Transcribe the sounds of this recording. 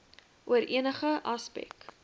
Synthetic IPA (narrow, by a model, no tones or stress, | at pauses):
ʔuəɾʔiənəχəʔɐspɛ̰k